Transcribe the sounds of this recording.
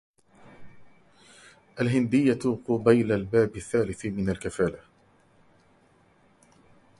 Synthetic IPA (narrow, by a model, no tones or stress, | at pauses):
ʔalɦɪnd̪ɪjːat̪qʊbajlalbaːbaθːaːlɪθmɪnalkafaːla